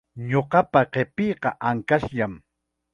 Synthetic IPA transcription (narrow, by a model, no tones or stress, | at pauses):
ɲoqɑpaqepɪjqɑʔaŋkaʃʎam